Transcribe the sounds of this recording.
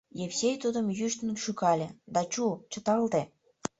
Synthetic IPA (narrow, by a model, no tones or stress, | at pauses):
jefsʲejt̪ud̪əmjyʃt̪ənəkʃykɑlʲed̪ɑt͡ɕut͡ɕə̆t̪ɑlt̪e